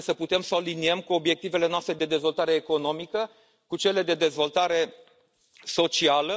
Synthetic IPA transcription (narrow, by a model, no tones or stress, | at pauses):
səput̪e̞msəaliniemkuo̞bje̞k̚t̪ive̞le̞noast̪ɾed̪ed̪e̞zvo̞lt̪aɾe̞ːko̞no̞mikə | kut͡ʃe̞le̞d̪e̞d̪e̞zvo̞lt̪aɾe̞ | so̞t͡ʃialə